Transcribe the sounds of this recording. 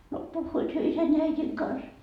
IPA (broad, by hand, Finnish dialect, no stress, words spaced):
no puhːuit hyø isæn jɑ æitiŋ kɑns